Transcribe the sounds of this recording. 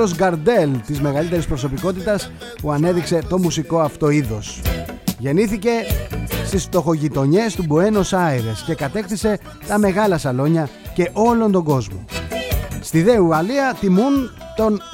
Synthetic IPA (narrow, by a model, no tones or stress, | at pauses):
ozɡɐɾd̪e̞lt̪izme̞ɣɐlit̪e̞ɾispɾo̞so̞piko̞t̪̬it̪ɐs | puɐne̞ðikse̞t̪o̞musiko̞ɐft̪o̞iðo̞sʝe̞niθice̞st̪isft̪o̞xo̞ʝit̪o̞ɲe̞st̪ubue̞no̞sɐiɾe̞sce̞kɐt̪e̞xθise̞ | t̪ɐme̞ɣɐlɐsɐlo̞ɲɐce̞ʔo̞lo̞nd̪o̞ɡo̞zmo̞̰ | st̪iðeuɣɐliɐθimun | t̪o̞n